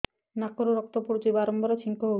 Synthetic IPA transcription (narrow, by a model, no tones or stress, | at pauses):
nakoɾoɾɔk̚t̪opuɾd͡ʒibaɾɔmbɔɾet͡ʃʰiŋkoɦo